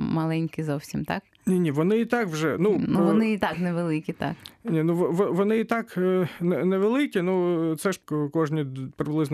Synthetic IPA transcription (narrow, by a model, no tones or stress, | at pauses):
mɐlˠɛnʲkɪzɔwsʲimt̪ɑ̰k | nʲinʲiʋɔnɪit̪ɑkwʒɛnunuʋɔnɪit̪ɑknɛʋelˠɪkʲit̪ɑ̰knʲinuʋɔʋɔʋɔnɪit̪ɑknɛnɛʋelˠɪkʲinut̪sɛʃkɔʒnʲipɾɪblˠɪzn